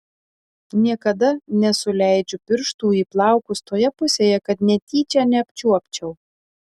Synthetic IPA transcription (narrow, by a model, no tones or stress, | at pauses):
nʲiɛkɐd̪ɐnʲɛsʊlʲæˑɪd͡ʒʲʊpʲɪɾʃt̪uːiːplˠɑˑʊkʊst̪oːjɛpʊsʲeːjɛkɐt̪nʲɛt̪ʲiːt͡ʃʲæːnʲɛɐpʲt͡ʃʲuɔpʲt͡ʃʲɛʊ